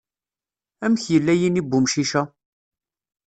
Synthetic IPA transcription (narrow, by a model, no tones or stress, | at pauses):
æmçjəlːæjinibːʊmʃiʃæ